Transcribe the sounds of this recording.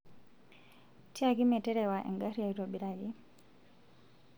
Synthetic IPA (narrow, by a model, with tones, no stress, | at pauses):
ti˦a˨ɡi˦mɛ˨tɛ˦ɾɛ˨wa˨ʔɛ̰˨ŋɡa˦ɾia˨iɾo˨bi˨ɾaɡi˦